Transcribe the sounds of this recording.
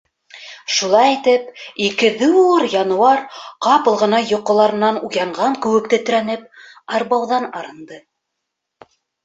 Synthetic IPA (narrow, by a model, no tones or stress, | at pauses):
ʃulˠɑjit̪ɘpikɘðɘɤɾjɑnwɑɾqɑpɤ̆lˠʁɤ̆nɑjŏqːŏlˠɑɾɤ̆nːɑnujɑɴʁɑŋkɘ̆wɘ̆k̚t̪ɘ̆t̪ɘ̆ɾænɘp̚ | ɑɾbɑwðɑnɑɾɤ̆nd̪ɤ